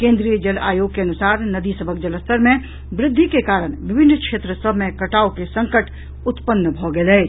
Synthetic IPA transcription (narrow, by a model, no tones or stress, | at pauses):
kẽːnd̪ɾijəd͡ʒəla̰ːjoɡ̚keɐnusaːɾnəd̪isəbʱək̚d͡ʒələst̪ʰəɾmẽ | bɾɪd̪ʱːikekaːɾəɽ̃bɪbʱɪnːkʃeːt̪ɾəsəbʱmẽkəʈaːukesə̃ŋkəʈ | ʊt̪pənːbʱɔɡelɛ